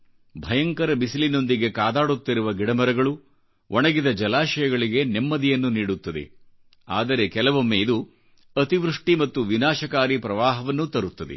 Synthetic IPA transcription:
bʱɐjɐŋkɐɾɐbisilino̞nd̪iɡe̞kaːd̪aːɽut̪ːiɾuʋɐɡiɽɐmɐɾɐɡɐɭu | ʋʔɔɳɐɡid̪ɐd͡ʒɐlaːʃɐjɐɡɐɭiɡe̞nemːɐd̪ijɐnːuniːɽut̪ːɐd̪e̞̰ | aːd̪ɐɾe̞kɛlɐʋomːeid̪u | ɐt̪iʋɾuʂʈimɐt̪ːuʋinaːʃɐkaːɾipɾɐʋaːɦɐʋɐnːut̪ɐɾut̪ːɐd̪ḛ

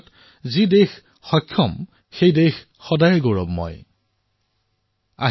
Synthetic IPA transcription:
t | zidex | xɔjkʰːɔm | xejdex | xɔdajɛɡoɹɔ̰bmɔ̰j | a̰

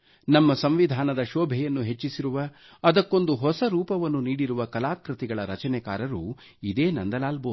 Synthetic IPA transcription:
nɐmːɐsɐmʋid̪ʱaːnɐd̪ɐʃɔːbʱɛjɐnːuɦe̞t͡ʃːisiɾuʋɐː | d̪ɐkːo̞nd̪uɦɔsɐɾuːpɐʋɐnːuniːɽiɾuʋɐkɐlaːkɾit̪iɡɐɭɐɾɐt͡ʃɐnɛka̰ːɾɐɾuː | id̪e̞ːnɐ̰nd̪ɐlaːlboː

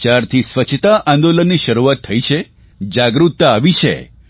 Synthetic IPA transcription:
t͡ʃaɾt̪ʰisʋət͡ʃʰt̪aʔãnd̪olənːiʃəɾuʋat̪ʰːəit͡ʃʰe | d͡ʒaɡɾut̪ːaːʋit͡ʃʰḛ

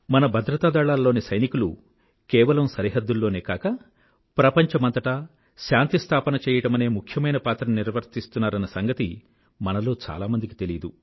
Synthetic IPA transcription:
mɐnɐbʱɐd̪ɾɐt̪aːd̪ɐɭaːlːo̞ːnisɐjnikulu | kɛːʋɐlɐmsɐɾiɦɐd̪ːulːo̞ːneːkaːkɐ | pɾɐpɐɲt͡ʃɐmɐnt̪ɐʈɐ | ʃaːnt̪ist̪ʰaːpɐnɐt͡ʃɛːjɐʈɐmɐne̞ːmukʰjɐmɐjnɐpaːt̪ɾɐmniɾʋɐɾt̪ist̪unːaːɾɐnːɐsɐŋɡɐt̪i | mɐnɐlo̞ːt͡ʃa̰ːlaːmɐnd̪iki̥t̪e̞lid̪u

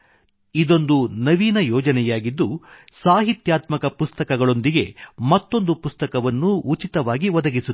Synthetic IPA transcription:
id̪o̞nd̪unɐʋiːnɐjɔːd͡ʒɐnɛjaːɡid̪ːusaːɦit̪jaːt̪mɐkɐpust̪ɐkɐɡɐɭo̞nd̪iɡe̞mɐt̪ːo̞nd̪upust̪ɐkɐʋɐnːuːt͡ʃit̪ɐʋaːɡiʋɐd̪ɐɡisu

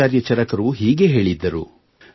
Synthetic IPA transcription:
aːɾjɐt͡ʃɐɾɐkɐɾuɦiːɡe̞ɦe̞ːɭid̪ːɐɾṵ

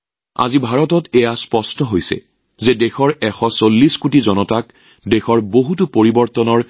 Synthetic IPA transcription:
a̰zibʱaɹɔtɔtɛjaspɔstɔɦojsɛ̰ | zedɛxɔɹɛxɔsolːiskutizɔnɔtak | dexɔɹboɦutupoɹibɔɹtɔnɔɹ

